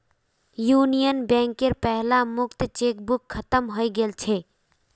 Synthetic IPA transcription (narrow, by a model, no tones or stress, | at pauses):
juːnijənbɛ̃ŋkeɾpɛɦlamʊkt̪t͡ʃeːkbʊkʰːət̪əmɦoiɡelt͡ʃʰe